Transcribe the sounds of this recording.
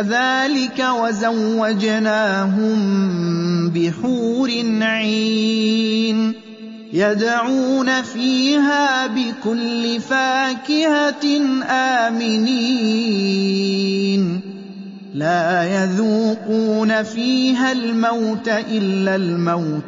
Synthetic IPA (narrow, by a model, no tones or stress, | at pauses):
ðaːlɪkawazawːad͡ʒnaːɦʊm | bɪħuːɾɪnʕiː | n | jad̪aʕuːnafiːɦaːbɪkʊlːɪfaːkɪhanʔaːmɪniː | n | laːjaðuːquːnafiːɦalmawt̪aʔɪlːalmawt̪